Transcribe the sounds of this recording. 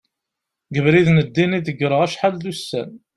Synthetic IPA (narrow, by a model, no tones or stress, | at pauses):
ɡəvɾiðnəd̪ːiniðəɡɾˤəʁæʃħad̪ðusːæ̰n